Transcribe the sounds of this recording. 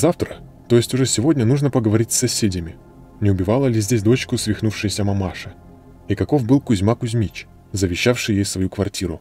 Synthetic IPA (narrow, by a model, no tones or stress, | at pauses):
zaft̪ɾə | t̪o̞jɪsʲtʲʊʐɛsʲɪvo̞dʲnʲənuʐnəpəɡəvɐɾʲitʲsʲːɐsʲedʲəmʲɪ | nʲɪʊbʲɪvalˠəlʲɪzʲdʲesʲd̪o̞t͡ɕkʊsvʲɪxnufʂɨjəsʲəmɐmaʂɨ | ikɐko̞vbɨlˠkʊzʲmakʊzʲmʲit͡ɕ | zəvʲɪɕːafʂɨjjejfsvɐjukvɐrtʲʰiɾʊ